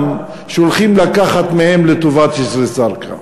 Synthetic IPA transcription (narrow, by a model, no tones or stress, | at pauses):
m | ʃeolχimlakaχat̪mehemlet̪ovat̪isɾesaɾkʰa̰